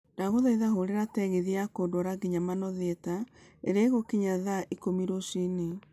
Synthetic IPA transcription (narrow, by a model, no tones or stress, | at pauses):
ndaɣoðaiðaɦoɾeɾatɛɣeðiakodoɾaɡiɲamanɔðetaḛɾeɣokiɲaðaʔikomiɾoʃine